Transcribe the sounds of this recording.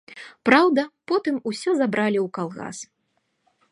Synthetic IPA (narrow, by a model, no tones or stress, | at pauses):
pɾawd̪ɐpɔt̪ɨmusʲɔzabɾalʲiwkalˠɣa̰s